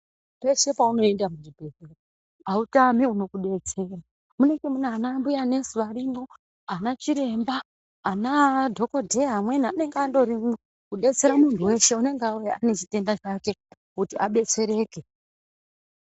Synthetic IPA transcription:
pe̞ʃe̞pauno̞endamuʐibʱe̞zero | autamiuno̞kuɗe̞t͡se̞ra | mune̞ɡemunaanambujane̞suʋaɾino̞ | anat͡ʃiɾe̞mbaː | nadʱo̞ko̞dʱeɦamwe̞naane̞ŋɡando̞ɾimi | kuɗe̞t͡se̞ɾamuntʰuwe̞ʃe̞une̞ŋɡauweane̞t͡ʃite̞ndat͡ʃake̞ | kutiʔaɓe̞t͡se̞ɾe̞ːke̞

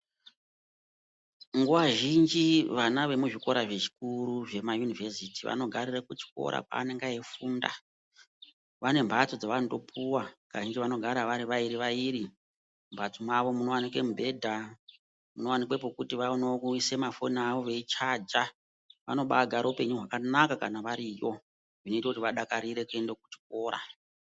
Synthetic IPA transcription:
ŋɡuʋaʒind͡ʒiʋanaʋe̞muʐiko̞ɾaʐe̞ʐi̥kuɾuʐe̞majunivesitiʋa̰no̞ɡʱarirakut͡ʃi̥ko̞̰ɾa̰ka̰ːne̞ŋɡaeifunda̰ | ʋane̞mbʱat͡sod͡zaʋando̞pʰuwakaʒind͡ʒiʋano̞ɡʱaɾaʋaɾiʋaiɾiʋaiɾi | mbʱat͡somaʋo̞muno̞wanikwemubʱe̞dʱa | muno̞wanikwep̬okutiʋanoise̞mafo̞naʋo̞ʋe̞it͡ʃad͡ʒa | ʋa̰no̞ɓaɡʱaɾoupe̞ɲuɦwakanakakanaʋaɾijo̞ | ʐino̞itakutiʋaɗakaɾiɾe̞kue̞ndek̚u̥t͡ʃi̥k̚o̞ːɾa̰

